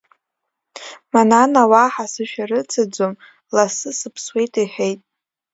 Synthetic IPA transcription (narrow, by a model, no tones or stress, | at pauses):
mananawaħasɨʃᶣaɾɨt͡sʰad͡zʷom | lasɨsɨpʰswe̞jtʼiħejtʼ